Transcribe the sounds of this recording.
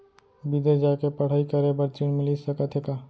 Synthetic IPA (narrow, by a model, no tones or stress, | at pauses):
bid̪əɾd͡ʒaːkepəɽ̤aːikəɾebəɾt͡ʃiɳmɪlisəkət̪ɦeːkaː